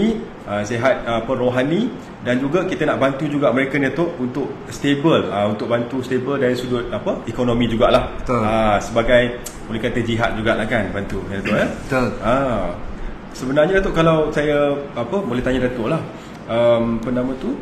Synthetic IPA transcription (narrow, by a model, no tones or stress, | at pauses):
i | əseɦat̪̚əpəroɦani | dand͡ʒuɡakit̪ənaʔbant̪ud͡ʒuɡaʔməɾekaniat̪ʊʔunt̪ʊʔ̚ | st̪ebələunt̪ʊʔ̚bant̪ust̪ebəldaɾisudʊt̪̚apəikonomĩd͡ʒuɡaʔlahbət̪oləsəbaɡaj | bolɛkat̪əd͡ʒiɦat̪̚d͡ʒuɡaʔlahkanbant̪udat̪ʊʔəbət̪olə | səbənarɲədat̪ʊʔkalawsajaːpəbolɛht̪aɲədat̪oʔlah | əmpənamə̃t̪u